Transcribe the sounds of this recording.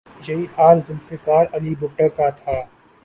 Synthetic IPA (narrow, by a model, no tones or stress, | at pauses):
jɐiːhaːɾd͡ʒɪnsɪkaːɾɐliːbʊʈəkaːt̪ʰaː